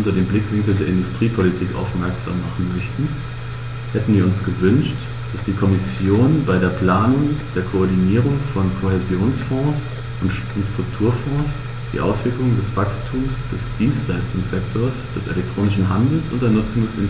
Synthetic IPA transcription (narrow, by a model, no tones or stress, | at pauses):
ʊntɐdeːmblɪkv̥ɪŋkl̩ndeːɐɪndʊstʁ̥iːpʰolitʰiːkʔa̰ʊfmɛɐkz̥a̰ːmːaχn̩mœçtn̩ | hɛtn̩viːɐʊnsɡ̥əvʏnʃt | d̥asd̥iːkʰɔmɪsjoːnbaɪɾeːɐpl̥aːnʊŋd̥eːɐkʰoɔɐdiniːʁ̞ʊŋfɔnkʰoɦezjoːnsfɔ̃ːs | ʊnt | ʊntstʁ̥ʊk̚tʰuːɐfɔ̃ːs | d̥ḭːʔa̰ʊsv̥ɪɐklʊŋdɛsv̥akstʰuːmsd̥ɛsd̥iːnstlaɪstʊŋsz̥ɛktʰoɐsd̥ɛsḛlɛk̚tʁ̥oːnɪʃn̩ɦandl̩sʔʊ̰ntd̥eːɐnʊt͡sʊŋdɛsɪ̰n